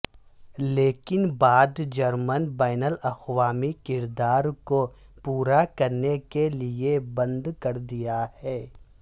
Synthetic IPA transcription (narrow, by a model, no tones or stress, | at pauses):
leːkɪnbaːd̪d͡ʒɐɾmənbaːnəlɐxʋaːmikɪɾd̪aːɾkopuːɾakɐɾnekeliebɐ̃nd̪kɐɾd̪ijahɛː